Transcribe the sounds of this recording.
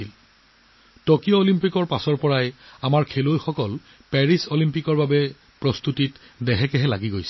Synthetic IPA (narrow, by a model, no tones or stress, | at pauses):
il | tokijɔolimpikɔɹpasɔɹpɔɹajamaɹkʰelojxɔkɔl | pɛɹisolimpikɔɹbabɛ | pɹɔst̪utit | dɛɦɛkɛɦɛlaɡiɡojsɛ